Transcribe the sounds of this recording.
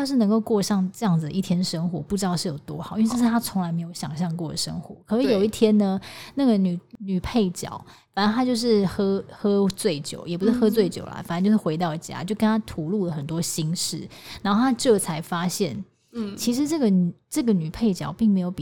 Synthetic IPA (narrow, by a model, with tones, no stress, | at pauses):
jo˥˧ʊʂɻ̩˥˩nə˧˥ŋko˥˧ʊkwɔ˥˧ʂɑ˥˧ŋʈ͡ʂɤ˥˧jɑ˥˩ŋd͡zɨ˨d̪ə˨˧i˥˩t̪ʰjɛ˥nə˨ʂə˥ŋxwɔ̰˧˥pu˥˩ʈ͡ʂɻ̩˥˧ʂɻ̩˥˩jo˨˩ʊt̪wɔ˦˥xɑ˨˦i˥˧ʈ͡ʂɤ˥˧˩ʂɻ̩˥˩t̪ʰa˥t͡sʰo˧˥ŋla˧˥ɪme˧ɪjo˧˩ʊɕjɑ̰˨˩ŋɕ̬jɑ˥˧ŋkwɔ˥˩d̪ə˩ʂə̰˥ŋxwɔ̰˧˦kʰɤ˨˩ʂɻ̩˥˩jo˨˩ʊi˥˩t̪ʰjɛ˥nnə˧na˥˩ɡə˩ny˨˩ny˨˩pʰe˥˩ɪt͡ɕjɑ̰˨˩˦ʊ | fa˨˩nə˦˥nʰa˥t͡ɕjo˥˧ʊʂ̬ɻ̩˥˩xɤ˥xɤ˥t͡swe˥˩ɪt͡ɕjo̰˨˦ʊjɛ˨˩pu˧˥ʂɻ̩˥˧xɤ˥t͡swe˥˩ɪt͡ɕjo̰˨˩ʊlɐ̰˩fna˥nt͡ɕjʂɻ̩˥˩xwe˧˥ɪt̪ɑ˥˩ʊt͡ɕja̰˥t͡ɕjo˥˩ʊkə˥˦nt̪ʰa˥t̪ʰu˧˥lu˥˩lə˩xə˨˩nt̪wɔ˥ɕi˥ŋʂɻ̩˥˩na˨˧˥xo˥˩t̪ʰa˥ʈ͡ʂɤ˥˩t͡sʰa˧˥ɪfa˥ɕjɛ̰˥˩n | t͡ɕʰi˧˥ʂɻ̩˧˥ʈ͡ʂɤ˥˩ɡə˩n˨ʈ͡ʂɤ˥˩ɡə˩ny˨˩pʰe˥˩ɪt͡ɕjɑ˨˩ʊpi˥˩ŋme˧˥ɪjo˨˩˦ʊi˨˩